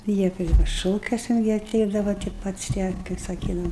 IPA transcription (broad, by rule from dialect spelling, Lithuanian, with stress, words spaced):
ˈjiɛ ˈpʲrʲɪ ˈʃoːkʲuɔsʲɛn ˈjiɛ ɐˈtʲɛɪdɐʋɐ tʲɪ ˈpɐts tʲiɛ kɐɪp sɐˈkʲiːdɐʋɐ